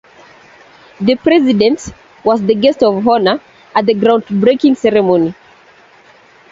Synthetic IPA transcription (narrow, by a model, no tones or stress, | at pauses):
ðɨpɹɛzɪdɛ̃nt | wɔzðəɡɛstɔvɦɔnə | ʔət̚ðəɡɹãʊ̃ndbɹekɪ̃ŋsɛɹɛmoni